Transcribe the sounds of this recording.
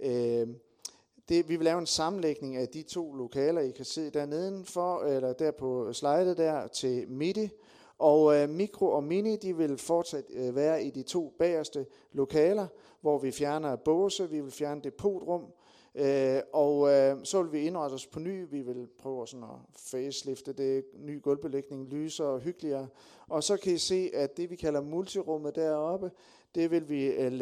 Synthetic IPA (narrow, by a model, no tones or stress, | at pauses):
ø | d̥e̝ʋiʋelɛːʊe̝nsɑ̈mn̩leɡ̥ne̝ŋæd̥it͡sʰo̝̰ːlo̝kʰɛːlɐikʰæse̝̰ð̰ˠd̥æɐ̰ne̝ð̞ˠn̩fɒelɐd̥æɐ̰pʰɒ̽slɑ̈ɪd̥ð̩ˠd̥æɐ̰t͡sʰe̝lmed̥i | ʔɒʊmiɡ̥ʰʁo̝ʔɒ̽minid̥iʋe̝lfɒːd̥sæd̥ʋæːɐid̥it͡sʰo̝̰ːb̥ɛ̰ːɐsd̥ə | lo̝kʰɛːlɐ | ʋɒʋifjæɐnɐb̥ɔːsəʋiʋe̝lfjæɐnəd̥e̝pʰo̝̰ːd̥ʁɔ̽m̰ | øɒʊsɒ̽ʋe̝lʋie̝nʁɑd̥əɒspʰɒ̽ny̰ːʋiʋe̝lpʰʁœːʊsɒ̽nɒ̽feːsle̝fd̥əd̥e̝ny̰ːɡ̥ɔ̽lb̥əleɡ̥ne̝ŋlyːsɐɒɦyɡ̥əliɐː | ʔɒ̽sɒ̽kʰæise̝̰ːʔæd̥e̝ʋikʰæl̰ɐmult͡sʰiʁɔ̽m̰ð̩ˠd̥æɐ̰ɒ̽b̥ə | d̥e̝ʋe̝lʋi